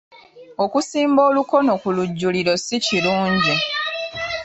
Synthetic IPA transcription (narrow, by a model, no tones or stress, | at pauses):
o̞kusiːmbo̞ːluko̞no̞kuluɟːuliɾo̞siciluːɲɟi